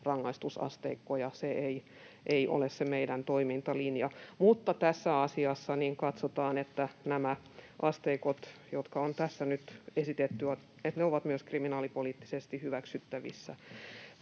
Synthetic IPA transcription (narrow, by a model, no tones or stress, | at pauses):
rɑŋːɑist̪usɑ̰st̪eikːojɑseei | ʔeiʔo̰lessemeiɾænt̪oimint̪ɑlinjɑmut̪ːɑt̪æsːæɑsiɑsːɑniːŋkɑt̪sot̪ɑːnet̪ːænæmæ | ʔɑst̪eikot̪jot̪kɑont̪æsːænyt̪esit̪et̪ːyʋɑ | et̪neoʋɑt̪myøskriminɑːlipoliːt̪ːi̥sest̪ihyʋæksyt̪ːæʋḭsːæ̰